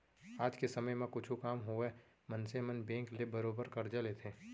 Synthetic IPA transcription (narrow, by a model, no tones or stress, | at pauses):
aːd͡ʒkesɐməjmẽkʊt͡ʃʰukaːmɦue | mɐ̃nsemənbẽːklebɐɾoːbəɾkɐɾd͡ʒalet̪ʰeː